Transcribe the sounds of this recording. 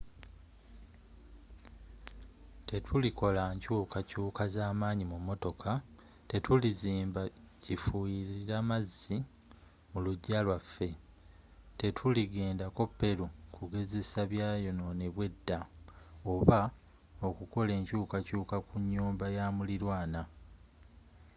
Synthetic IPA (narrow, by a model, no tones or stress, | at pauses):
te̞tʰuliko̞laɲcuːkacuːkazaːmaːɲimumo̞to̞kʰa | te̞tʰuliziːmba | cifuiɾiɾamazːi | muluɟːalwafːe̞ | te̞tʰuliɡe̞ːndako̞pːe̞ɾukuɡe̞ze̞saβjaːjo̞no̞ne̞βwe̞dːao̞βa | o̞kuko̞le̞ːɲcuːkacuːkakuɲːuːmbajaːmuliɾwaːna